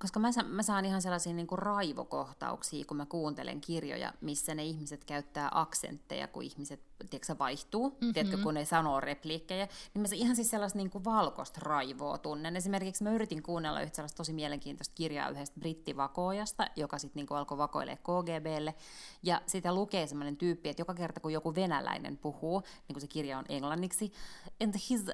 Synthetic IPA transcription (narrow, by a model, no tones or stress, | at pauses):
koskɑmæsɑmæsɑːnihɑnselːɑsiːniːŋkurɑiʋo̰ko̰ht̪ɑ̰ṵksiːkumækuːnt̪ḛlḛŋkirjo̰jɑ̰misːæneihmiset̪kæyt̪ːæːʔɑksḛnt̪ːḛjɑ̰kṵihmiset̪t̪iɛksæʋɑiht̪uːt̪iet̪køkunesɑnoːrepliːkːejænimæsihɑnsit̪selːɑst̪niːŋkuʋɑlko̰st̪rɑiʋo̰ːt̪unːenesimerkiksmæyrit̪iŋkuːnːelːɑ̰yht̪selːɑst̪osimieleŋkiːnt̪ost̪̚kirjɑ̰ːyhest̪̚brit̪ːiʋɑkoːjɑst̪ɑjokɑsit̪niːŋkuɑlkoʋɑko̰ḭlʔḛːkkoːɡeːbeːlːejɑsit̪ælukeːsemːonent̪yːpːiet̪jokɑkert̪ɑkujokuʋenælæ̰inḛmpuhuː | niːŋkusekirjɑoneŋlɑnːiksiend̪hiz